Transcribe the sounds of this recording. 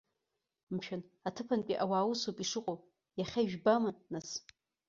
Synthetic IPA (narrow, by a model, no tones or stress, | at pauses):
mʃᶣanatʰɨpʰanpʲʼiʔawaːwusopʼiʂɨqʷʼo | jaχʲaiʒᶣbamanːas